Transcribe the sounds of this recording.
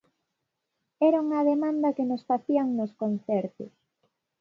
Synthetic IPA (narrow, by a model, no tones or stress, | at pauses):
ɛɾauŋɐðemãnd̪ɐkenosfaθiɐŋnoskon̟θɛɾt̪ʊs